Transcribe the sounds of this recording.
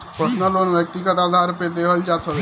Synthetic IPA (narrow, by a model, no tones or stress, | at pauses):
pɾəsnəlonbjək̚t̪iɡət̪ad̪ʱaɾped̪eɦəld͡ʒat̪ʰəl